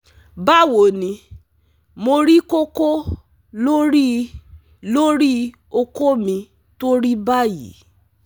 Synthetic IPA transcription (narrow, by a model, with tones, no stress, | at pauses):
ba˦˨wo˨nĩ˧ | mo˧ɾi˦ko˦ko˦ | lo˦ɾi˦ | lo˦ɾi˦ | o˧ko˦mĩ˧ | to˦ɾi˦ba˦jḭ˨˦